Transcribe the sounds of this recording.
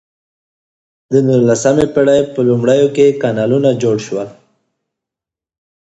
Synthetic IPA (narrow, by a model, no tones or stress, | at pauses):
d̪ənulasamepeɽajpəlʊmɽəjokekanɑlunad͡ʒoɽʃwəl